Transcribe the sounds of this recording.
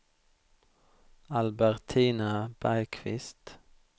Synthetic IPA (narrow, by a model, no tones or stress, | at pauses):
ɑlbæʁt̪ʰiːnɑb̥æɪkʰʋɪ̰st̪